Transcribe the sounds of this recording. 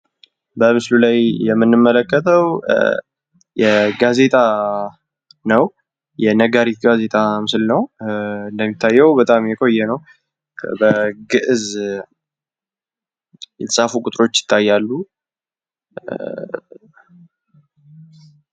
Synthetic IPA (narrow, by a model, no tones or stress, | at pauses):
bəmɨslulajjɛmːɨnːɨmːələkːət̪ʰəw | jɛɡaze̞t̪ʼa | nəw | jɛnəɡaɾit̪ɡaze̞t̪ʰʼamɨslnəwɨnd̪əmːit̪ʰːajːɛwbət̪ʼamjɛkʼo̞jːɛnəw | bəɡɨʔz | jɛt̪ʰə̥sʼafukʼʊt̪ʼɾo̞t͡ʃːjɪ̥t̪ʰːajːalːu